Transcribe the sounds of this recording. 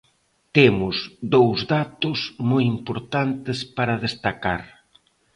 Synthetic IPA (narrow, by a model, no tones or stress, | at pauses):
t̪emʊzðowzðat̪ʊzmɔjimpoɾt̪ant̪ɪspaɾɐðest̪aka̰ɾ